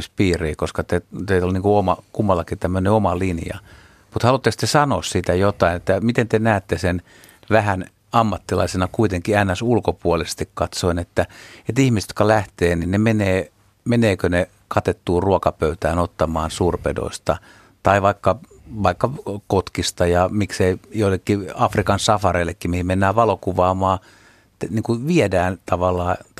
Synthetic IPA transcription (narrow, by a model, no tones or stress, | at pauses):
spiːriːkoskɑt̪et̪eiolːniŋkuomɑkumːɑlːɑkit̪æmːøneomɑlinjɑ̰ | mut̪hɑlut̪ːekst̪esɑnoːssit̪æjot̪ɑinet̪ːæmit̪ent̪enæːt̪ːesen | ʋæhæn | ɑmːɑt̪ːilɑisenɑkuit̪eŋkiænːæsulkopuolise̥st̪ikkɑt̪soinet̪ːæet̪ihmiset̪jo̥kɑlæht̪eːninnemeneː | meneːkøne | kɑt̪et̪ːuːruokɑpøyt̪æːnot̪ːɑmɑːnsuːrpḛdo̰ist̪ɑ | t̪ɑiʋɑikːɑ | ʋɑikːɑkot̪kist̪ɑjɑmikseijoilːekːiɑfrikɑnsɑfɑreilːekːimehimenːæːʋɑlokuʋɑːmɑː | niːŋkuʋiɛdæːnt̪ɑʋɑlːɑː